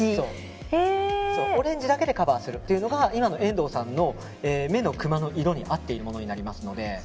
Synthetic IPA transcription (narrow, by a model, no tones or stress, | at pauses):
so̞ː | eso̞ːoɾẽ̞ɲ̟d͡ʑid̪ake̞d̪e̞kabaːsɨɾɯ̟t̪ːe̞iɯ̟no̞ɡaimano̞ẽ̞nd̪o̞ːsãnːo̞ | eːme̞no̞kɯ̟mano̞ʔiɾo̞ɲ̟iʔat̪ːe̞iɾɯ̟mo̞no̞ɲ̟inaɾʲimasɨno̞d̪e̞